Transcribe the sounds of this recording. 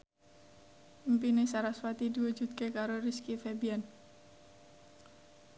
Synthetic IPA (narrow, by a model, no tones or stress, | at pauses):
mpinesaɾaswat̪id̪iwu̥d͡ʒud̪̚kekaɾoriskifebian